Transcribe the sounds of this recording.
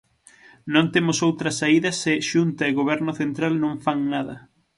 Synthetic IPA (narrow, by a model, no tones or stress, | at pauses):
nõnt̪emʊsowt̪ɾɐsaiðɐsɪʃunt̪ɐɪɣoβ̞ɛɾnʊθent̪ɾalnõɱfaŋnaðɐ̰